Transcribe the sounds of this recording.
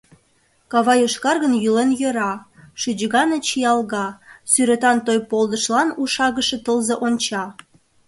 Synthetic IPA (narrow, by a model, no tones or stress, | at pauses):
kɑβɑjoʃkɑrɣənjylenjøɾɑʃyd͡ʑɣɑnət͡ɕijɑlɣɑsyɾet̪ɑnt̪ojpold̪əʃlɑnuʃɑɣəʃet̪əlzeʔont͡ɕɑ